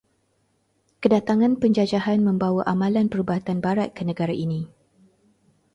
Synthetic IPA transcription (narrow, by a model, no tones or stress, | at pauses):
kədat̪aŋãnpəɲd͡ʒad͡ʒahanmə̃mbawaʔamãlanpəɾubaɦat̪anbaɾat̪̚kənə̃ɡaɾaʔinĩ